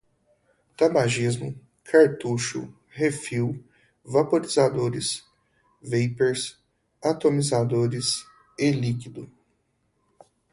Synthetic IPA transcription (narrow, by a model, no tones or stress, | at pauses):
t̪abaʒizmʊ̰ | kʰaɾt̪uʃʊ̰ | hefiw | vapoɾizad̪oɾɪs | vejpeɾs | at̪omizad̪oɾɪs | elikid̪ʊ